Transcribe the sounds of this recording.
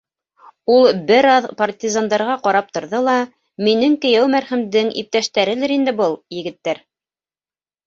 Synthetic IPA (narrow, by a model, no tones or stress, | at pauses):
ulˠbɘɾɑðpɐrt̪ʲizand̪ɑɾʁɑqɑɾɑp̚t̪ŏɾðɤlˠɑ | minɘŋkɘ̆jæwmæɾχɘ̆md̪ɘŋḭp̚t̪æʃt̪æɾɘ̆lɘɾind̪ɘbɤlˠjɘ̆ɡɘ̆t̪ːæɾ